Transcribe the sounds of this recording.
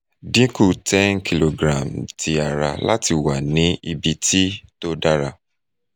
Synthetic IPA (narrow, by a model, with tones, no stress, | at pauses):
dĩ˨˦ku˦˨tɛ̃˦nkʰi˨lo˨ɡɾã˨mtʰi˨a˨ɾa˧la̰˦ti˧wa˨nĩ˨˦i˧bi˧ti˦to˦da˦ɾa˧